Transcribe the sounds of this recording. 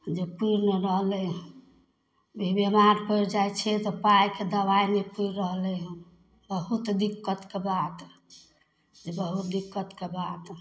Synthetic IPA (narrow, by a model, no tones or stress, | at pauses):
d͡ʒepuɾnəɾəɦlɛ | bʱibemaɾpəɾd͡ʒajt͡ʃʰɛt̪ɔpajked̪əbainepuɾɾəɦlɛ̃ | bəɦut̪d̪ikːət̪kebat̪ | d͡ʒebəɦut̪̚d̪ikːət̪kebat̪